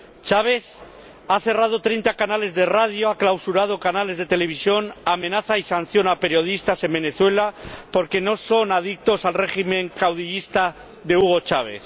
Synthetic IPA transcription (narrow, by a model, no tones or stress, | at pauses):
t͡ʃaβ̞e̞θ | aθe̞rað̞o̞t̪ɾejnt̪akanale̞zðe̞rað̞joaklawsuɾað̞o̞kanale̞zð̞e̞t̪e̞le̞β̞isjo̞namẽ̞naθaisan̟θjo̞nape̞ɾjo̞ð̞ist̪ase̞mbe̞ne̞θwe̞lapo̞ɾke̞no̞so̞naðik̚t̪o̞salre̞χimẽ̞ŋkawð̞iʎist̪a | ðe̞uɣ̞o̞t͡ʃaβ̞e̞̰θ